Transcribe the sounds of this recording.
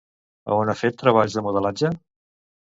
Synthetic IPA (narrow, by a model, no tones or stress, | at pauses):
ə̰onafet̪ːɾəβ̞aʎzðəmuð̞əlad͡ʒə